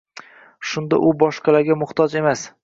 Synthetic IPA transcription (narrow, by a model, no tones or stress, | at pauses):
ʃʊnd̪a̰ʔʊbɒʃqɑlaɾɡʲamʊht̪ʰɒd͡ʒe̞mas